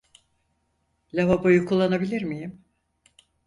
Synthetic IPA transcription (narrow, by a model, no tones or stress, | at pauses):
lʲaβabojukʰulˠːanabilʲiɾmijim